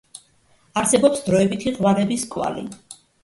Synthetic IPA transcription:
aɾsɛbɔpsd̪ɾɔɛbit̪ʰiʁwaɾɛbiskʼwa̰lḭ

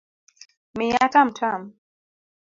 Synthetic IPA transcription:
mɪjatam̩tʰam

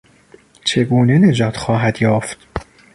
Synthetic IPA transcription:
t͡ʃʰe̞ɡuːne̞ne̞d͡ʒɒːt̪ʰxɒːɦæd̪jɒːft̪

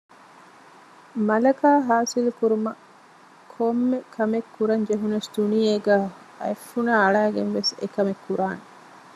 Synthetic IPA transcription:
mɐlɐkaːɦaːsilukuɾumɐ | kʰomːekʰɐmekːuɾɐɲd͡ʒeɦunɐsd̪̥unijeːɡæː | ɐ̰efːunaːɭæːɡenʋesḛkɐmekːuɾaːne

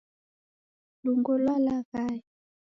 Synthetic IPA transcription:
luŋɡɔlwalaɣai

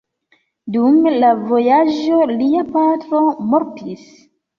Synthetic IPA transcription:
dumlavo̞jaʒo̞liapatɾo̞moɾtʰis

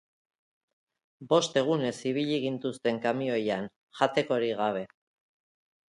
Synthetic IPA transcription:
bo̞st̪e̞ɣ̞une̞siβ̞iʎiɣ̞int̪ust̪e̞ŋkamio̞jan | ʝat̪e̞ko̞ɾiɣ̞aβ̞e̞

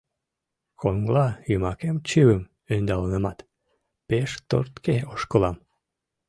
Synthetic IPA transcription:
kʰoŋlɑjymɑkemt͡ɕiwəm | ønd̪ɑlənəmɑt̪ | peʃt̪o̰rt̪keoʃkəlɑm

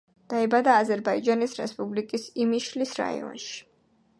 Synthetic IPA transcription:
d̪̥aɛbad̪aːzɛɾbaid͡ʒanisɾɛ̰spʼublikʼisimiʃlisɾa̰ḭɔ̰nʃi̥

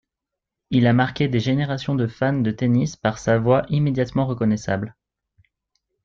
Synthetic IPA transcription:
ilamaʁkʲed̪eʒeneʁasjɔ̃d̪əfand̪ət̪enispaʁsavwaʔimed̪jat̪mɑ̃ʁəkɔnɛsa̰bl

